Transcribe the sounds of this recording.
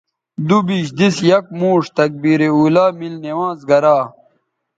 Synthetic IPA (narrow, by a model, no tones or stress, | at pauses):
d̪ubiɕd̪isjɐk̚muːʂt̪ɐk̚biːɾeuːlaːmilnewãːzɡɐɾaː